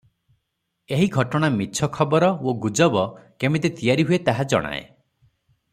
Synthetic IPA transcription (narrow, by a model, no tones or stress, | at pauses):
eɦiɡʱɔʈɔɽ̃amiːt͡ʃʰɔkʰɔbɔɾɔoɡud͡ʒɔbɔkemet̪et̪ijaɾiɦuet̪aɦad͡ʒɔ̰ɽ̃a̰ḛ